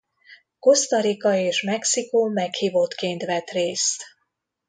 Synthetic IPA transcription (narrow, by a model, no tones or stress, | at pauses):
ko̞st̪ɒɾikɒeːʃmɛksikoːmɛkhiːvo̞t̪keːnt̪ʋɛt̪reːst̪